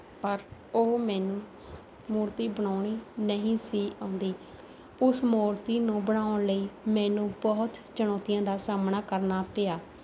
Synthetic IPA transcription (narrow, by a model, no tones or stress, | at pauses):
pəɾoːmɛːnũː | muːɾt̪iːbəɳaːɳiːnəɦĩːsiːãʊnd̪iː | ʊsmuːɾt̪iːnũːbəɳaːʊɳləiːmɛːnũːbɔːt̪t͡ʃəɳ̃ɔːt̪ɪjãːd̪aːsaːmɳaːkəɾnaːpeːaː